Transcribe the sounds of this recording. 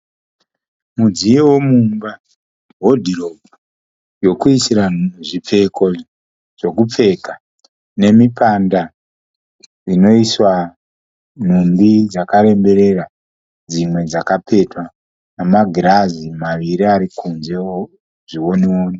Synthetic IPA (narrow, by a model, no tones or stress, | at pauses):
mud͡zijewomumba | ɦo̞dʱiro̞bu | jo̞kuisiɾanuuʐip͡fe̞ko̞ | ʐ̥o̞kup͡fe̞ka | ne̞mipanda | ino̞iswa | n̤umbid͡zakaɾe̞mbe̞ɾe̞ra | d͡zimwe̞d͡zakape̞twa | namaɡʱiɾazimaʋiɾiaɾikunze | ʐiwo̞newoːni